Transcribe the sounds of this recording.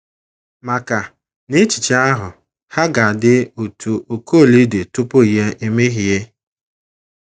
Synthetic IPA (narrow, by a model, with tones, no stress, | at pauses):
ma˨ka˨ | ne˦t͡ʃi̥˨t͡ʃa˦a˦ɦʊ˨ | ha˦ɡa˨a˨dɪ˦u˨tʰu˨ʔo˨ko˦˨li˦de˨tʊ˦pʊ˦i˨ɦe˦ʔe˦me˦ɦi˨e˦